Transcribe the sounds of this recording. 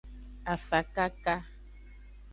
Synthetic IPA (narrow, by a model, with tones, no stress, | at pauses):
a˨fa˨ka˦ka˦